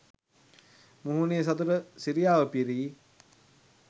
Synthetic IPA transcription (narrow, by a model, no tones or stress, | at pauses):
muɦuneːs̬ɐt̪uɾəsiɾijaːʋəpiɾiː